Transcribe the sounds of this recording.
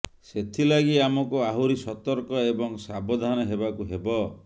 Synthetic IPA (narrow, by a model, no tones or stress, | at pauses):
set̪ʰilaɡiamɔkuaɦuɾisɔt̪ɔɾkɔebɔŋsabɔd̪ʱanɔɦebakuɦebɔ